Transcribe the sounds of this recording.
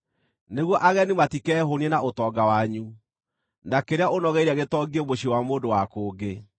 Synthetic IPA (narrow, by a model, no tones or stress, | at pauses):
neɣwɔʔaɣɛnimatikɛɦonienaʔotɔɡawaɲu | nakeɾeaonɔɣɛiɾaɣetɔɡemoɕiwamoːndowakoːɡe